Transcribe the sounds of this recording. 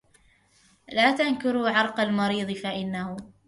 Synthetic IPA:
laːt̪ankʊɾuʕɑɾˤqɑlmɑɾiːðˤɨfaʔɪnːahʊ

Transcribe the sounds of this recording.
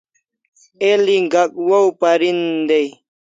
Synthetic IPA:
eliɡakwowpaɾind̪ej

